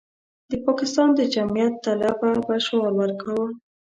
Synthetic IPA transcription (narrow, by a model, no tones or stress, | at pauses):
d̪əpɑkɪst̪ɑnd̪əd͡ʒamijat̪ːalababaʃalwəɾkawə